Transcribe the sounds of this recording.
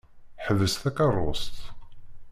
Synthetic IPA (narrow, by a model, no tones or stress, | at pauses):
ħəvəst̪ækɑrˤːo̰st̪